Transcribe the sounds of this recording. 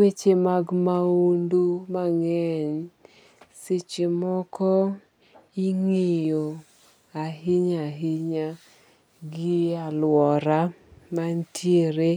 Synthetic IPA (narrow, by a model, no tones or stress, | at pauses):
wet͡ʃemaɡmaundumaŋɛn | sɪt͡ʃemɔkɔ | iŋejo | aɦɪɲaɦɪɲa | ɡɪalwɔɾamantʰjeɾe